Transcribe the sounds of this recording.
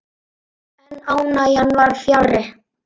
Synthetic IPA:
ɛnaːwnajanːvaɾfjalrɪ

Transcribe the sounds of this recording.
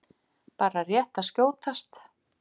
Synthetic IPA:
paːɾarjɛht̪ascoːwt̪ʰast̪

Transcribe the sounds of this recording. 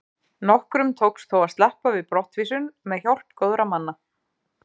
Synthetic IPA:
nɔhkɾʏmt̪ʰowksθʰowaðst̪lɛhpavɪðpɾɔht̪viːs̬ʏnmɛðçawr̥t̪koːwðɾamanːa

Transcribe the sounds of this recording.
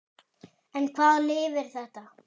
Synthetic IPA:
ɛnkʰvaːðlɪːvɪɾ̥θɛht̪a

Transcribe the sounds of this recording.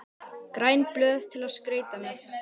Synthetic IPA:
kɾajnplœːð̥t̪ʰɪlaðskɾeːjt̪amjɛx

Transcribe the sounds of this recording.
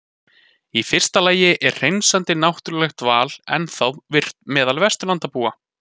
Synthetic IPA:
ifɪr̥st̪alaːjɪʔɛr̥r̥ejnsant̪ɪnawht̪ʏɾlɛxt̪vaːlɛ̰nθawðvɪr̥t̪mɛːðalvɛst̪ʏlant̪apuːa

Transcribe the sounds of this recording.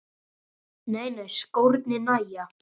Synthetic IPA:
neːjneɥjskowɾt̪nɪnaja

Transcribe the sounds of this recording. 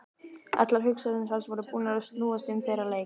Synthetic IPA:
ʔɛ̰t̪laɾ̥ɦʏksaðɪnsansvɔɾʏpuːnaɾʏst̪nuːast̪ɪmfejɾaleː

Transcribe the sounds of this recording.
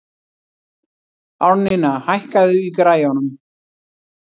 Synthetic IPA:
awɾnɪnahajhkaðʏikɾaːjanʏm

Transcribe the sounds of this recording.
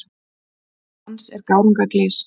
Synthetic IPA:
ansɛɾkaːwɾuŋkaklɪs

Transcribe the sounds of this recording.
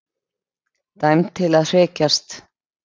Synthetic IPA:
t̪ajmt̪ʰɪlaðr̥ɛːcast̪

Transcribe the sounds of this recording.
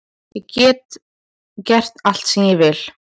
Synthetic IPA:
jɛcɛːt̪ | cɛr̥t̪al̥t̪sɛmjɛvɪl̥

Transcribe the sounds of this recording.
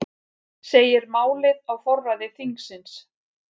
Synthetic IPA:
seːjɪɾmaːwlɪðawfɔrːaðɪθiŋksɪns

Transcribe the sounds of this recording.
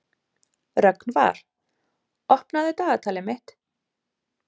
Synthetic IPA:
rœknva̰ɾ̥ | ɔhpnaðɪt̪aːðat̪ʰaːlɪmɪht̪

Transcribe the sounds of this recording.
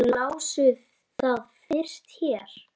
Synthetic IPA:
laːwsʏð | θaðfɪr̥st̪çɛːɾ̥

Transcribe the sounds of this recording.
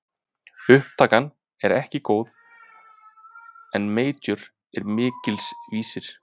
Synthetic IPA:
ʏhpt̪ʰaːkan | ɛɾɛhcɪkoːwð | ɛnmeːjt̪ʏɾ | ɛɾmɪːcɪlsviːsɪɾ̥

